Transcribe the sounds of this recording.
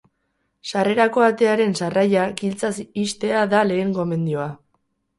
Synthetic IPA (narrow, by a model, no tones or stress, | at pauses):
sare̞ɾako̞at̪e̞aɾe̞nsarajaɡilt͡sasist̪e̞aðale̞ːŋɡo̞me̞nd̪io̞a